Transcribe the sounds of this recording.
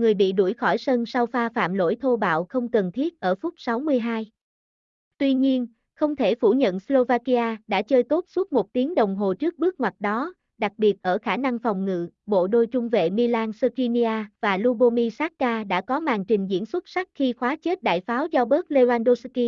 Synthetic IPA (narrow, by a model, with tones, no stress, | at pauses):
ŋɨ˨˩əjɓḭ˧˨ɗu˧˩jxɔ˧˩jsə˧nsa˧wfaː˧fa̰ː˧˨mlo̰˧˥jt̪ʰo˧ɓa̰ː˧˨wxə˧wŋ͡mkə˨˩nt̪ʰi˦˥ət̚ʔəː˧˩fʊ˦˥k͡p̚sa˨˦wmɨ˧əjɦaː˧j | t̪wi˧ɲi˧ən | xə˧wŋ͡mt̪ʰe˧˩fu˧˩ɲə̰˧˨nslo˧vaː˧ki˧ʔaː˧ɗa̰ː˧˥t͡ɕəː˧jt̪o˦˥t̚swu˦˥t̚mo˨˩t̚t̪i˨˦əŋɗə˨˩wŋ͡mɦo˨˩t͡ɕɨ˦˥ək̚ɓɨ˦˥ək̚ŋwa˨˩t̚ɗɔ˨˦ | ɗa˨˩k̚ɓi˨˩ət̚ʔəː˧˩xaː˧˩na˧ŋfa˨˩wŋ͡mŋɨ̰˧˨ɓo̰˧˨ɗo˧jt͡ɕʊ˧ŋ͡mvḛ˧˨mi˧laː˧nsə˧ki˧ni˧aː˧vaː˨˩lu˧ɓo˧mi˧saː˦˥k̚kaː˧ɗa̰ː˧˥kɔ˨˦maː˨˩ŋt͡ɕï˨˩ŋ̟zḭ˧˥ənswə˦˥t̚sa˦˥k̚xi˧xwaː˨˦t͡ɕe˦˥t̚ɗa̰ː˧˨jfaː˨˦wzɔ˧ɓəː˦˥k̚le˧vaː˧nɗo˧ski˧